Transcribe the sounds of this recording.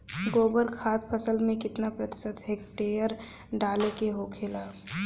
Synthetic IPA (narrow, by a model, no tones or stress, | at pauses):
ɡoːbəɾkʰaːt̪̚pʰəsəlmẽkɪt̪napɾət̪ɪ̥sət̪ɦeːk̚ʈeːjəɾ | ɖaːlekeɦoːkʰɪlaː